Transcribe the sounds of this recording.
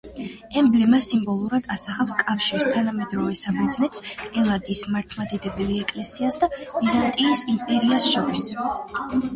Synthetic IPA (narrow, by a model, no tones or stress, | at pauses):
ɛmblɛmasimbɔlˠuɾad̪̥asaχafskʼafʃiɾist̪ʰanamɛd̪ɾɔvɛsabɛɾd̪znɛt̪sɛlˠad̪ismaɾt̪ʰmad̪ɛd̪ɛbɛliɛkʼlɛsiasd̪ab̥izant̪ʼiːsimpʼɛɾiasʃɔɾis